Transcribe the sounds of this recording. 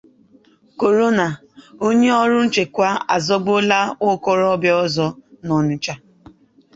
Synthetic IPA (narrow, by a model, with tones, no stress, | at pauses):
ko˨ɾo˦na˨ | o˦ɲe˦ɔ˦ɾʊ˦n̩˦t͡ʃe˨kʷa˦a˨zɔ˦ɡ͡bo˦la˦ʊ˦kɔ˦ɾɔ˦bjɔ˦zɔ˦nɔ˨nʊ˦t͡ʃa˦